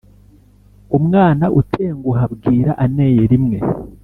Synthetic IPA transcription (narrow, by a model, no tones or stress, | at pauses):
umŋaːnaʔutʰeːŋɡuɦabɡiːɾaʔane̞ːjeɾimŋe̞